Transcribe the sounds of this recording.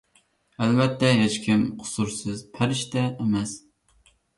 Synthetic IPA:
ælbɛt̪ʰːɛɦet͡ʃkʲʰimqʰʊ̥suɾsɨzpʰæɾɪʃt̪ɛːmɛs

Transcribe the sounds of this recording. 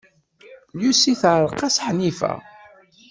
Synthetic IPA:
ljusiθʕɾˤqːɑsħnifæ̰

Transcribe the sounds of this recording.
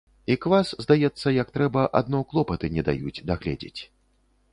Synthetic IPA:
ikvaszd̪ajɛt̪sːɐjɐkt̪ɾɛbɐʔad̪̚nɔklˠɔpɐt̪ɨnʲɛd̪a̰jud͡zʲd̪aɣlʲɛ̰d͡zʲḛt͡sʲ

